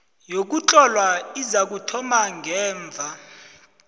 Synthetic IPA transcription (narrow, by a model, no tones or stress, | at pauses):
jok̬ut͡ɬʼɔlwaizak̬utʰɔmaŋʱɛːɱb̪vʱa